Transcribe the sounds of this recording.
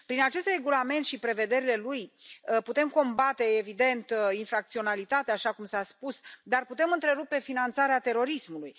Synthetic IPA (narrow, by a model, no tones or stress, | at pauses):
pɾinat͡ʃe̞st̪re̞ɡulame̞nt̪ʃipɾe̞ve̞d̪e̞ɾile̞lujput̪e̞mko̞mbat̪e̞ːvid̪e̞nt̪infɾak̚t̪sio̞nalit̪at̪eaʃakumsaspusd̪arput̪e̞mɨnt̪ɾe̞ɾupe̞finant̪saɾeat̪e̞ɾo̞ɾismuluj